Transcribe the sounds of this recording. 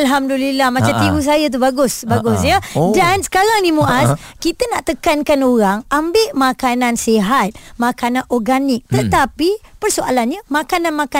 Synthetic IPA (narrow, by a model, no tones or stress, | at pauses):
alɦamdulilahmãt͡ʃamt̪iwus̬ajat̪̬ubaɡʊsbaɡʊsjədansə̥kaɾaŋnimũʔaskit̪ənaʔt̪əkankanoɾaŋambɪʔmakanãnseɦat̪̚makanãnʔɔrɡanɪk̚t̪ət̪apipərsoʔa̰lanɲamakananmãka